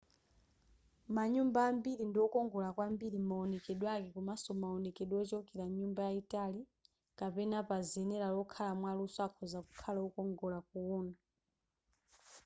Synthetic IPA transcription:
maɲumbaːmbiɾindiɔkɔŋɡɔlakwambiɾimaɔnɛkɛɗwakɛkumasɔmaɔnɛkɛɗwɔt͡ʃɔkɛɾaɲumbajaitali | kapɛnapaziɛnɛɾalɔkʰalamwalusɔakʰɔzaku̥kʰalaukɔŋɡɔlak̚uɔːna

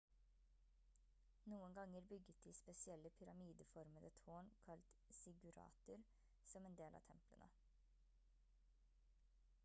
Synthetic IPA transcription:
nuːənɡɑŋəɾbʏɡət̪̚d̪iːspɛsɪɛlːəpʰʏɾɑmiːd̪əfɔɾməd̪ət̪ʰoːɳkʰɑlt̪sɪɡʉɾɑ̰ːt̪ʊɾ | sɔmeːnd̪eːlɑ̰ːt̪ʰɛmplə̰nʔə̰

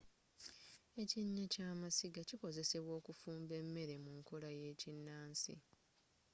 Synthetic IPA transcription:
e̞ciɲːacaːmasiɡaciko̞ze̞se̞βwo̞ːkufuːmbe̞mːe̞ɾe̞muŋko̞laje̞ːcinːaːnsḭ

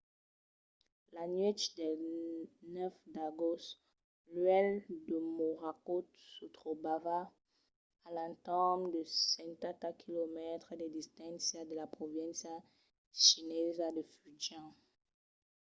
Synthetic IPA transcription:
lanɥit̪d̪ɛ | nɛfd̪aɡɔs | lɥɛld̪əmoʁakosut̪χobavaː | lãnt̪ɔmd̪əsɛ̃nt̪ãt̪akʰilomɛt̪χəd̪ed̪ist̪ãsjad̪əlapχovɛ̃nsja | ʃinɛzad̪əfyd͡ʒã

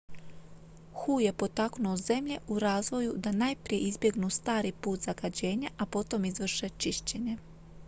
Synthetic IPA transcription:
xuje̞po̞t̪aknuoze̞mʎe̞ʔuɾaːzʋo̞jud̪anajpɾije̞ʔizbje̞ɡnust̪aːɾipuːt̪z̥aɡad͡ʑe̞ːɲaʔapo̞t̪o̞mizʋr̩ʃe̞t͡ʃiʃt͡ɕe̞ɲe̞

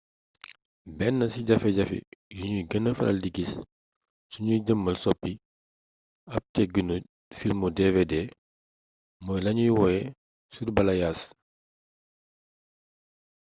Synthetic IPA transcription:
bɛnːɐsiɟɐfɛɟɐfḭjuɲujɡənəfɐlʔɐ̰ldiɡis | suɲujɟəmːɐlsɔpːi | ɐp̚tɛɡənu | filmudevede | mɔːjlɐɲujwɔjɛ | surbɐlɐjaːs

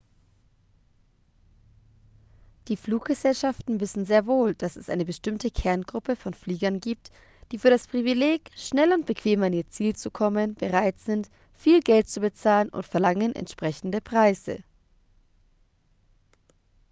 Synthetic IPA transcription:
d̥iːfluːk̚ɡ̥əzɛlʃaftn̩vɪsn̩zeːɐvoːld̥asɛsʔa̰ɪnəbəʃtɪmtəkʰɛɐnɡʁʊpəfɔnfliːɡɐnɡiːp̚t | d̥iːfyːɐɾaspʁ̥ivileːkʃnɛlʊnt̚b̥əkʰv̥eːmaniːɐt͡siːlt͡sukʰɔmənbəʁaɪtz̥ɪnt | fiːlɡɛlt̚t͡subət͡saːlənʔʊ̰ntfɛɐlaŋənʔɛ̰ntʃpʁ̥ɛçn̩dəpʁ̥aɪzə̰

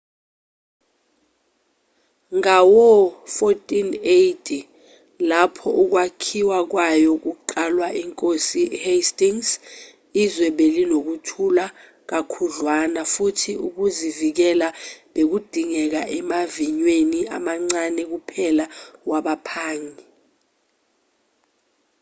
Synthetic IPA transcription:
ŋawɔfotʼinejtʰʼi | lapʰɔʔuk̬wakʰiwak̬wajɔk̬uǃalwaʔiŋkʼosihestʼiŋs | izwɛɓelinok̬utʰula | k̬akʰuɮwanafutʰiuk̬uzivik̬ɛlaɓek̬ud̥ʱiŋɛk̬aʔɛmaviɲwenia̰maŋ͡ǀanɛk̬upʰɛlawaɓapʰaːŋi

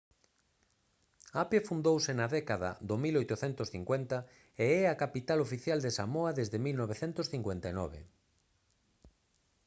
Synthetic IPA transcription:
apefund̪owsɪnaðɛkaða̰ðomilojt̪ʊθɛnt̪ʊsθiŋkwent̪a | eɛakapit̪alofiθjald̪esamoaðezðɪmilnɔβ̞eθent̪osθiŋkwent̪anɔ̰βḛ

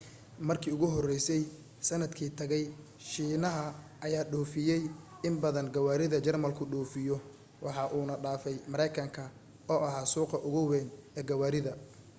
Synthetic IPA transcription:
mɐrkʰiːʊɣʊɦɔrɛjsɛj | sɐnɐd̪kʰiːt̪ʰɐɣɛj | ʃiːnɐɦɐ | ʔɐjaːɖɔːfɪjɛj | ɪmbɐðɐnɡɐwaːɾɪðɐt͡ʃɐrmɐlkʰʊɖɔːfɪjɔ | wɑħɑʔuːnɐɖaːfɛjmɐɾɛjkʰɐŋkʰɐ | ɔːʔɐɦaːsuːqɐʔʊɣʊwɛːnɛːɡɐwaːɾɪðɐ

